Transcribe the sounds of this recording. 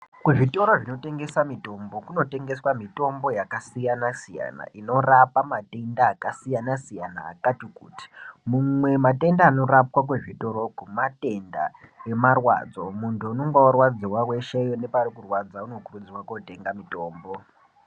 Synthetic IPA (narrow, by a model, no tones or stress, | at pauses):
kuʐito̞ɾoʐino̞te̞ŋɡe̞samito̞mbo̞kuno̞te̞ŋɡe̞swamito̞mbo̞jakasijanasija̰na̰ino̞rapamate̞ndaːkasijanasijana̰ːkatikṵːti̥mumwe̞mate̞ndaːno̞ɾapwak̬weʐito̞ɾokumate̞nda̰emarwa̰ːd͡zo̞̰muntʰuunoŋɡaorwad͡zirwawe̞ʃejone̞parikurwad͡zauno̞kurud͡ziwakote̞ŋɡamito̞ːmbo̞